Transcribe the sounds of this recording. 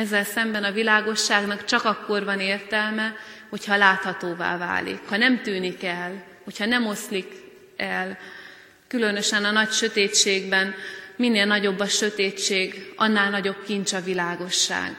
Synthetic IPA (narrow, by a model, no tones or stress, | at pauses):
ɛzːɛlsɛmbɛnɒvilaːɡo̞ʃːaːɡnɒkt͡ʃɒkɒkːo̞rvɒneːrt̪ɛlmɛho̞chɒlaːt̪hɒt̪oːva̰ːva̰ːlḭkhɒnɛmt̪yːnikɛl | ho̞chɒnɛmo̞slik | ɛl | kylø̞nø̞ʃɛnɒnɒcʃø̞t̪eːt͡ʃeːɡbɛnminːeːlnɒɟo̞bːɒʃø̞t̪eːt͡ʃeːɡʔɒ̰nːaːlnɒɟo̞bkint͡ʃɒvilaːɡo̞ʃːa̰ːɡ̥